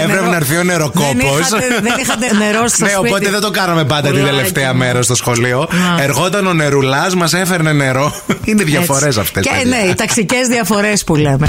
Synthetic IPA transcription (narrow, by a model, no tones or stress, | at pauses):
evɾepenɐɾθio̞neɾokonosɐðeixɐt̪neɾosneopo̞t̪eðed̪okɐnɐmepɐnd̪ɐt̪ind̪eleft̪eɐmeɾɐs̬t̪o̞sxo̞lio̞eɾɣo̞t̪ɐno̞neɾulɐsmɐsefeɾnene̞ɾo̞ | ineðʝɐfoɾes̬ɐft̪esneit̪ɐksicezðiɐfo̞ɾespuleme